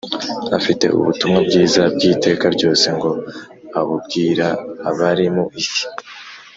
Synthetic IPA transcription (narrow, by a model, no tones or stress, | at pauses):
a̰fite̞̰ṵβutumŋabɡiːzabɡiːte̞ːkaɾɟo̞ːse̞ŋɡo̞ | aβubɡiːɾaːβaɾimoʔisi̥